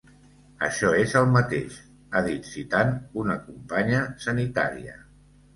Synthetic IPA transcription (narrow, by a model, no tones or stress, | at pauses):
ə̰ʃɔezəlˠmət̪ḛʃ | aðit̪sit̪anunəkumpaɲəsənit̪a̰ɾḭə̰